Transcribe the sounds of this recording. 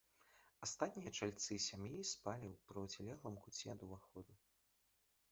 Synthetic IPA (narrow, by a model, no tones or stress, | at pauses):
ast̪at̪ʲnʲijɐt͡ʂalʲt̪sɨsʲamjijspalʲiwpɾɨwt͡sʲɛlʲɛɣlˠɐmkut͡sʲːɛɐd̪uvaxɔd̪u